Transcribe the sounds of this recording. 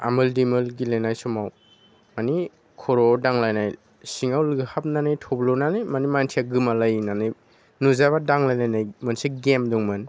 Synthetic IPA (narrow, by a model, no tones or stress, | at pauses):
a̰mɯldimɯlɡilajnajsɔmaw | mani | kʰɔɾɔdaŋlajnaj | siŋawlɯɡhap̚nanajtʰɔblɔnanɯjmanimantʰijaɡɯmalajnanɯj | nuzabadaŋlajnajnajmɯnseɡemdɔŋmɯn